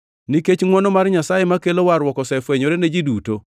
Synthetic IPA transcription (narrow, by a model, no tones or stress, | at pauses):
niket͡ʃŋwɔnɔmaɾɲasajemakelowaɾwɔkɔsɛfwɛɲoɾened͡ʒiduto